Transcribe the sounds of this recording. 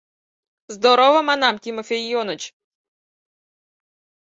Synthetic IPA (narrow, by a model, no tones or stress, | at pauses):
zd̪ɔɾɔʋɐmɐnɑmtʲimɔfʲejɔnɔt͡ʃ